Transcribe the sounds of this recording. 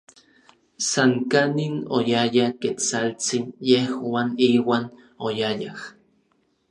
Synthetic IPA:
saŋkaninojajaket͡salt͡sinjehwaniːwaːn | ojajah

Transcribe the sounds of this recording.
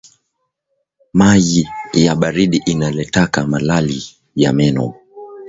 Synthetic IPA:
majijaɓaɾiɗiʔinalɛtakamalali | ja̰mɛnɔ̰

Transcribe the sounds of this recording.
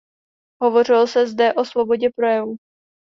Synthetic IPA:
ɦovo̞r̝ɪlsɛzdɛʔo̞svo̞bo̞ɟɛpɾo̞jɛvu

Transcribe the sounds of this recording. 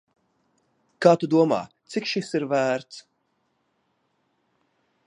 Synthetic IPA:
kaːt̪ud̪uɔma̰ːt̪sikʃisiɾvæːɾt̪s

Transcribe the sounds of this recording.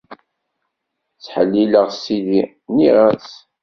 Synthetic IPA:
t͡sːħəlːiləʁsili | niʁæs

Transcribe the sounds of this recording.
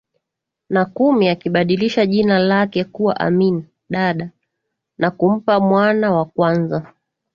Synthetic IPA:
nakumiakiɓaɗiliʃaʄinalakɛkuwa̰ʔa̰mini | ɗaɗa | nakum̩pamwanawakwanza

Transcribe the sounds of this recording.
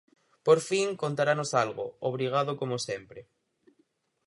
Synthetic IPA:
poɾfiŋkont̪aɾanosalɣo̰oβ̞ɾiɣ̞aðokomosempɾe

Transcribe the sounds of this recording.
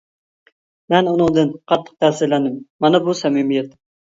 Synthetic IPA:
mɛnunɨŋd̪ɨnqʰɑt̪ʰːə̥q̚d̪ʰæsɪlænɪmːɑnɛbusɛmɪmijɛt̪̚

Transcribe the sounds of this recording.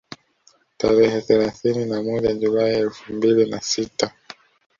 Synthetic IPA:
taɾɛhɛθɛlaθininamɔʄaʄulaiɛlfumbilinasita

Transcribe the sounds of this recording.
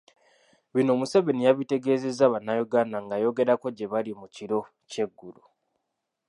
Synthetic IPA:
βino̞ːmuseβenijaβite̞ɡe̞ːze̞zːaβanːajoɡaːnaŋɡajo̞ɡe̞ɾako̞ɟe̞βalimuciɾo̞ | ce̞ɡːulu

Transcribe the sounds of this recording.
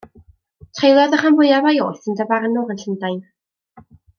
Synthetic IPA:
tʰrejlˠjɔðəχanvʊjavajoːjθəndavarnʊʁənɬəndajn

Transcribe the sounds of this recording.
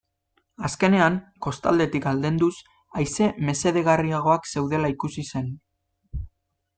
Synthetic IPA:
aske̞ne̞aŋko̞st̪a̰ld̪e̞t̪ikald̪e̞nd̪us | ajse̞me̞se̞ðe̞ɣ̞ariaɣ̞o̞akse̞wðe̞laikusise̞n

